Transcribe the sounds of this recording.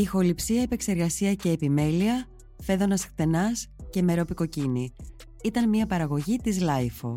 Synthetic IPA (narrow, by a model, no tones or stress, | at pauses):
ixo̞lipsiɐepe̞kse̞ɾɣɐsiɐce̞ːpime̞liɐ | fe̞ðo̞nɐsxt̪e̞nɐsce̞me̞ɾo̞piko̞cini | it̪ɐnmiɐpɐɾɐɣo̞ʝit̪izlɐjfo̰